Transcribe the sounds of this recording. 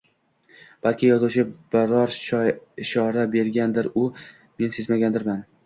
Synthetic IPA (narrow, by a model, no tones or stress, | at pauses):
b̥alˠkʲʰɪjɒzuwt͡ʃʰɪb̥ɪɾɒɾʃɒɪʃɒɾabe̞ɾɡʲand̪ɪɾʊ | me̞nse̞zmaɡʲand̪ɪɾman